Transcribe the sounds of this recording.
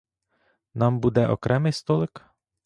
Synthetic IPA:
nɑmbud̪ɛʔɔ̰kɾɛmɪjst̪ɔlˠɪk

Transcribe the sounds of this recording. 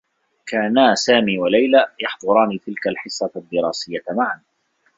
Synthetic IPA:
kaːnaːsaːmiːwalajlajɑħd̪ˤʊɾˤɑːniːt̪ɪlkalħɪsːɑd̪ːɪɾˤaːsɪjːamaʕan

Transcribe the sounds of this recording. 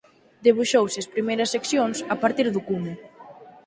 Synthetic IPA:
d̪eβ̞uʃowsespɾimejɾɐsːeksjonsapaɾt̪iɾðʊkumʊ

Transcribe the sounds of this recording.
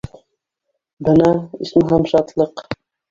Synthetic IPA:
bɤ̆nɑḭsmɘɦæmʃɑt̪lˠɤq

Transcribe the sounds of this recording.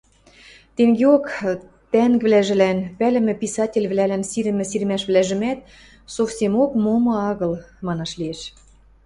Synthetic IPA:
t̪eŋɡeok | t̪æŋɡβlæʒɘ̆lænpælɘ̆mɘ̆pisɑtʲelʲβlælænsiɾɘ̆mɘ̆siɾmæʃβlæʒɘ̆mæt̪̚ | sofsʲemokmomɤ̆ɑɣɤ̆lmɑnɑʃlieʃ

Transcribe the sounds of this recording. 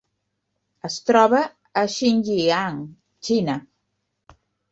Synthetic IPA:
əst̪ɾɔβəː | ʃinʲʒiaŋ | t͡ʃinə

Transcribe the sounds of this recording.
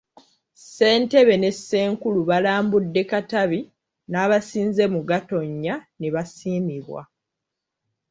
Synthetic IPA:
se̞ːnte̞βe̞ne̞sːe̞ːŋkuluβalaːmbudːe̞kataβi | naːβasiːnze̞muɡato̞ɲːaneβasiːmiβwa̰

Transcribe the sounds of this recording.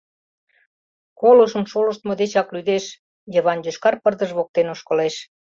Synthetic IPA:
koloʃə̆mʃolə̆ʃt̪mod̪et͡ɕɑklyd̪eʃ | jəβɑnjøʃkɑrpərd̪əʒβok̚t̪enoʃkə̆leʃ

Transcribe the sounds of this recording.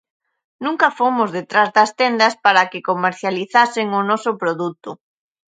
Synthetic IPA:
nũŋkɐfomʊzðet̪ɾazðɐst̪end̪ɐspaɾakɪkomeɾθjaliθasɪŋʊnɔsʊpɾoðut̪ʊ

